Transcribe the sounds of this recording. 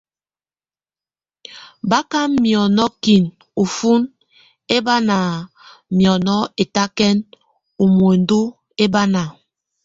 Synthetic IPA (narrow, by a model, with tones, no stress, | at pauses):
ba˦ka˦mːjɔ˨nɔ˦ki˨n | u˨fu˦n | e˦ba˦na˨ | mjɔ˨nɔ˦e˨ta˦kɛ˦n | u˨mu˨e˨n˦du˦ | e˦ba˦na˨